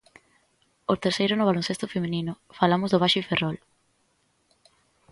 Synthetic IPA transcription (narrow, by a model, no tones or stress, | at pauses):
ot̪eɾsejɾʊnʊβalõnsest̪ofemẽninʊfalamʊzðoβ̞aʃʊiferɔl